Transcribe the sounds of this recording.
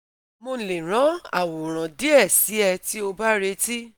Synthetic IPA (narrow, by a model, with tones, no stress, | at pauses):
mo˧le˨ɾ̃ɔ̃˨˦a˦˨wo˨ɾ̃ã˨di˨˦ɛ˦˨si˨˦ɛ˧ti˦o˧ba˦ɾe˧ti˦